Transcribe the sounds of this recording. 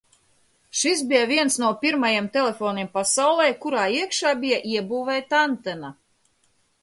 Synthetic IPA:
ʃis̬bijavʲiɛnsnuɔpʲiɾmajemt̪elʲefoːnʲiɛmpasawlˠɛjkuɾaːiɛkʃaːbijaʔiɛbuːvɛjt̪ant̪ɛna

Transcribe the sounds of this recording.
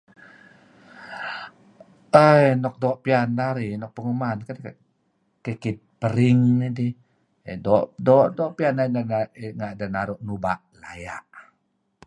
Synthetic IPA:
əjnɔk̚dɔʔpianːaɾinɔk̚pəŋumankadk | kekit̪̚pəɾiŋnidi | dɔʔdɔʔdɔʔpianadanŋaʔdanaɾɔʔnubaʔla̰ja̰ʔ

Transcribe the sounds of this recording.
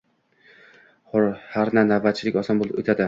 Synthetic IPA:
χʊɾhaɾnanavːat̪̚t͡ʃʰɪlɪkʲɒsɒmbolˠɪpot̪ʰad̪ɪ

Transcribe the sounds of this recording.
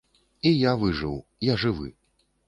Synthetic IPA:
ijavɨʐɨwjaʐɨvɨ̰

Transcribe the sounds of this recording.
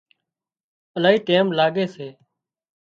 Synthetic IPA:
əlaːiːʈeːmlaːɠeːseː

